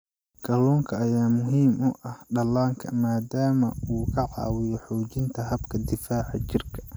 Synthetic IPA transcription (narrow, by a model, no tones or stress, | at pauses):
ɡ̥ɐlɔːŋkʰɐːjaːmʊɦiːmʊʔɐhɖɐlaːŋkʰɐmaːd̪aːmɐuːkʰɐʕɑ̰ːwɪjɔħɔːt͡ʃɪnt̪ʰɐɦɐbkʰɐd̪ɪfaːʕɑ̰t͡ʃɪrkʰɐ̥